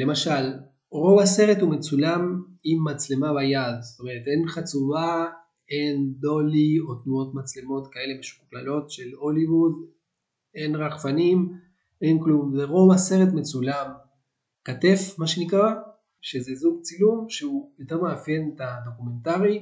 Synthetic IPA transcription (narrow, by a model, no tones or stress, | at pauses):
le̞maʃal | ʁo̞vase̞ʁe̞t̪hume̞t͡sulamimːat͡slemabajad̪sot̪omeet̪e̞nχat͡suva | e̞nd̪o̞lio̞t̪nuo̞t̪mat͡slemo̞t̪kae̞le̞beʃuuklalo̞tʃe̞lo̞livud | e̞nʁaχfanim | ʔe̞nklumzeʁo̞vase̞ʁe̞t̪me̞t͡sulam | kate̞fmaʃenikʁa | ʃezezuɡ̚t͡silumʃeupit̪eʁmeafje̞net̪ad̪o̞kume̞ntaʁi